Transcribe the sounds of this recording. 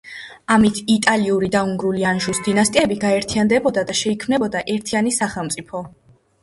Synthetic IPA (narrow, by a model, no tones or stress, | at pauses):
amit̪ʰit̪ʼaliuɾid̪auŋɡɾulianʒusd̪inast̪ʼiɛbiɡaɛɾt̪ʰiand̪ɛbɔd̪ad̪aʃɛikʰmnɛbɔd̪aʔɛɾt̪ʰianisaχɛlˠmt̪sʼipʰɔ